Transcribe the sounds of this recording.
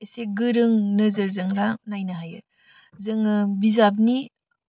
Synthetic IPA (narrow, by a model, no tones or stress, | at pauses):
eseɡɯɾɯŋnəzɯɾzɯŋɾanajnaɦajɯ | zɯŋɯbizab̬̚ni